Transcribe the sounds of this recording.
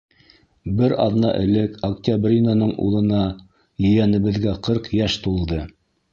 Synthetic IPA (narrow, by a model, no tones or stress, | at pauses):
bɘɾɑ̰ðnɑ̰ʔɘ̆lɘkoktʲabrʲinanɤɴṵlˠɤ̆nɑ | jɵ̆jænɘ̆βɘ̆ðɡæqʰɤɾqjæʃt̪ulˠd̪ɤ